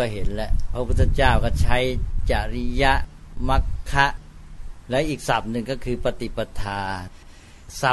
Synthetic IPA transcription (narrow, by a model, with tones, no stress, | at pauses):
ɔː˥˩ɦe˩˦nlɛ˦˧˥ʔpʰɾa˦˥pʰuː˥˩˧t͡ɕaː˥˩wkɔː˥˩t͡ɕʰa˦˥jt͡ɕa˨˩ɾa˦˥ja˦˥ʔ | ma˦˥kʰːa˦˥ʔlɛː˦˥wʔiː˨˩k̚sa˨˩p̚nɯ˨ŋkɔː˥˩kʰɯː˧pa˧t̪i˨˩pa˧t̪ʰaː˧ | sa˨˩